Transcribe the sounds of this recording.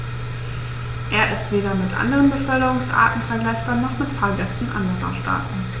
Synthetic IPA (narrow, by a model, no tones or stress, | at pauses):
ʔeːɐʔɪstv̥eːɾɐmɪtʔa̰ndəʁənbəfœʏɾəʁʊŋsʔa̰ːtn̩fɛɐɡlaɪçb̥aːnɔχmɪtfaːɡɛstn̩ʔa̰ndəʁɐ̰ʃtʰa̰ːtn̩